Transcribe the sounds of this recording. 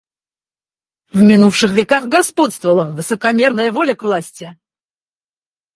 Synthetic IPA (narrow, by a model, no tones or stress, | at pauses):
vmʲɪnufʂɨxvʲɪkaxɡɐspot̪st̪vəlˠəvɨsəkɐmʲernəjəvolʲəkvlˠasʲtʲɪ